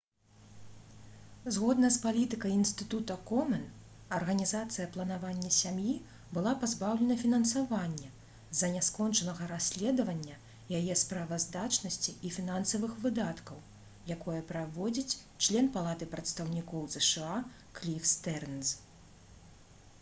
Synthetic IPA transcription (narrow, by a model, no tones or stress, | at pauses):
zɣɔd̪nɐspalʲit̪ɨkɐjinst̪ɨt̪ut̪ɐkɔmɐn | ɐrɣɐnʲizat̪sɨjɐplˠɐnavanʲːɐsʲamji | bɨlˠapazbawlʲɛnɐfʲinɐnsavanʲːɛ | zɐnʲɛskɔnt͡ʂɐnɐɣɐɾasʲlʲɛd̪ɐvɐnʲːɐ | jajɛspɾavɐzd̪at͡ʂnɐsʲt͡sʲiːfʲinansɐvɨxvɨd̪at̪kɐw | jakɔjɐpɾavɔd͡zʲit͡sʲt͡ʂlʲɛnpalˠat̪ɨpɾɐt̪st̪ɐwnʲikɔwzɛʂɛa | klʲifst̪ɛrnz